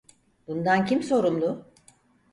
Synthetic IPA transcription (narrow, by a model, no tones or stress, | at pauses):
b̥und̪ancimso̞ɾumlˠʊ